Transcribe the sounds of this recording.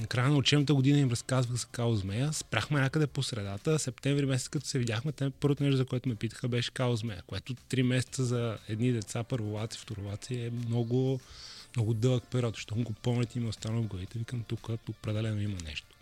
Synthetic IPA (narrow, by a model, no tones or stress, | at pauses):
nɐkɾajənɐot͡ʃɛnət̪̬əɡʊd̪inəimɾɐskazvəxzɐkaozmɛjəspɾaxmɛɲʲakəd̪ɛposɾɛd̪at̪əsɛpt̪ɛ̃ɱvɾimɛsɛt̪əkɐt̪ɔ̥sɛvid̪ʲaxmɛt̪ɛpɤɾvot̪onɛʃt̪ʊzɐkoʊɛt̪ʊmɛpit̪ə̥xəbɛʃɛ̥kaozmɛjə̰koɛt̪ʊt̪ɾimɛsɛ̥t̪səzɐɛd̪nid̪ɛt̪sapɤɾvʊlˠat̪si̥ft̪oɾʊlˠat̪siɛmnɔɡʊmnɔɡʊd̪ɤlˠəkpɛɾʲɔt̪z̥ʃt̪ɔxnɡopɔmlɛt̪imɛʊst̪anəlˠvɡlˠɐvit̪ɛvikɐmt̪ukəopɾɛd̪ɛlɛnoimənɛ̰ʃt̪o̥